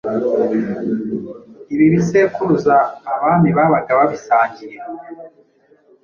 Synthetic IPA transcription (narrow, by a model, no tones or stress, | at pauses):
iβiβise̞ːkuuzaːβaːniβaβaɡaβaβisaːɲɟiɾe